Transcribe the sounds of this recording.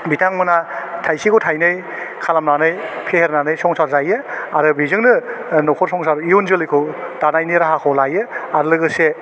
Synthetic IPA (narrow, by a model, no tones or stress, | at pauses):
bitʰaŋmɯnatʰajsikʰowtʰajnɯj | kʰalamnanɯjpʰeheɾnanɯjsɔŋsaɾzajɯaɾɯbizɯŋnɯnɔkʰɔɾsɔŋsaɾijunzɯlɯjkʰɔwd̥anajniɾaɦakʰɔwlajɯaɾɯlɯɡɯse